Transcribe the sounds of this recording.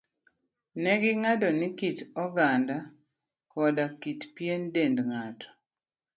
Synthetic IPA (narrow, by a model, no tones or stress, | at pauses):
nɛɡɪŋadɔnikit͡ʃɔɡanda | kɔdakitpjendendŋatɔ̥